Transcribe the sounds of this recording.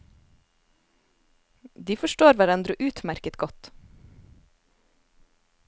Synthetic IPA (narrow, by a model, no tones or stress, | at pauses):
d̪iːfɔʃʈoːɾʋæɾɛnd̪ɾʉːʔʉːt̪mæɾkət̪ɡɔt̪